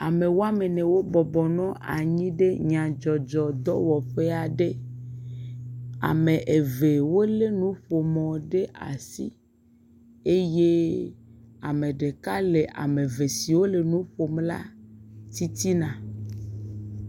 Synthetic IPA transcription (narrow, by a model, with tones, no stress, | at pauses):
a˨mẽ˨wo˦a˦me˨nɛ̃˨wo˦bɔ˨bɔ˨nɔ̃˦ʔa̰˨ɲĩ˦ɖe˦ɲã˨d͡ʒɔ˨d͡ʒɔ˨d̪ɔ̰˦wɔ˨ɸe˦a˨ɖe˦ | a̰˨mẽ˨ʔe˨ve˨wo˦le˦nũ˦ɸo˨mɔ̃˨ɖe˦ʔa̰˨sḭ˦ | e˦je˦ | a˨mẽ˨ɖe˨ka˦le˨ʔa̰˨mẽ˨ve˨si˨wo˦le˨nũ˦ɸo˨mla̰˦t̪i˦t̪i˦nã˨